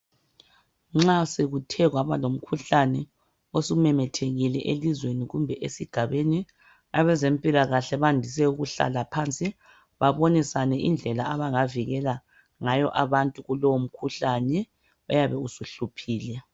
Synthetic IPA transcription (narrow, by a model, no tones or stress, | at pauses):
ŋ͡ǁaseɣutʰɛɣwaβalom̩kʰuɬanɛ | osumɛmɛtʰeɣilɛʔelizweniɣumbʱɛʔesiɡ̥ʱaβeni | aβɛzempʼilaɣaɬɛβandʱis̬ɛuɣuɬa̰lapʰant͡sʼi | βaβonisanɛʔḭnd͡ɮʱɛlaaβaŋaviɣɛla | ŋajɔ̰ʔaβantʼuɣulowom̩kʰuɬanɛ | ɔjaβɛusuɬupʰiːlɛ